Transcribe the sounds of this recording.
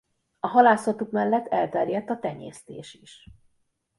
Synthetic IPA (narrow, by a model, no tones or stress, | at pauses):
ɒɦɒlaːsɒt̪ukmɛlːɛt̪ʰːɛlt̪ɛrjɛt̪ːɒt̪ɛɲḛːst̪ḛːʃiʃ